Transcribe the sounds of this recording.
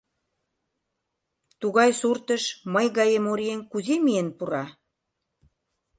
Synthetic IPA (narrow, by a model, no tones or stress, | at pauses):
t̪uɣɑjsurt̪əʃməjɣɑjemoɾienkuzemienpuɾɑ